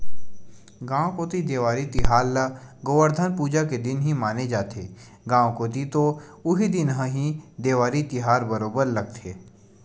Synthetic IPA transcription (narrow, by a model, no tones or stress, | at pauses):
ɡãːwõkoːt̪id̪eːʋaːɾit̪ɪɦaːɾləɡoːʋəɾd̪ʱənpuːd͡ʒaked̪ɪnɦimaːned͡ʒaːt̪ʰḛː | ɡãːwkoːt̪̬it̪oʊɦid̪ɪnɦə̃ɦid̪eːʋaːɾit̪ɪɦaːɾbɐɾoːbəɾlɐɡ̚t̪ʰḛː